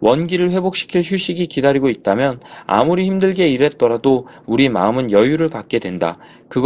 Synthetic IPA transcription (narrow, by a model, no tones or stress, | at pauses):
wʌnɡiɾɯɭɸwe̞bok̚ɕ͈i̥kʰiɭɕ̬ʰuɕ͈iɡikidaɾiɡoit̚t͈amjʌna̰muɾiçimdɯɭɡe̞iɾe̞t̚t͈ʌɾadouɾima̰ɯmɯnjʌjuɾɯɭkak̚k͈e̞dwe̞nda̰ | kɯɡ